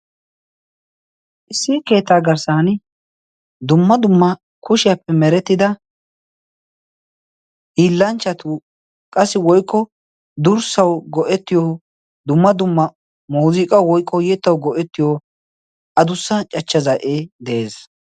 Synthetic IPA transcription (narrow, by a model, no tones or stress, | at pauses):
ʔɪsːike̞ːt̪ːaːɡɐɾsaːn | d̪ʊmːɐd̪ʊmːɐ | kʊʃɪjapːɛmɛɾɛt̪ːɪd̪ɐ | hiːlːɐnt͡ʃːɐt̪ʊ | kʼɐsːɪwɔjkːɔ | d̪ʊɾsɐwɡɔʔɛt̪ːɪjɔ | d̪ʊmːɐd̪ʊmːɐ | muːziːkʼɐwwɔjkʰʼːɔjɛt̪ːɐwɡɔʔɛt̪ːɪjɔ | ʔɐd̪ʊsːɐt͡ʃʼɐt͡ʃːɐzɐʔeːd̪ɛeːs